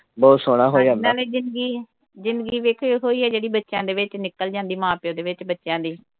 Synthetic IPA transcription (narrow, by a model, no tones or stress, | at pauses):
bɔːt̪soːɽ̃aːɦoːd͡ʒãːndaːleːd͡ʒɪnd̪ɡiː | d͡ʒɪnd̪ɡiːʋeːkʰɦoːiːɛːd͡ʒeːɽiːbətːʃjãːd̪eːʋɪt͡ʃnɪkːəld͡ʒãːnd̪iːmãːpjõːd̪eːʋɪt͡ʃbətːʃjãːd̪iː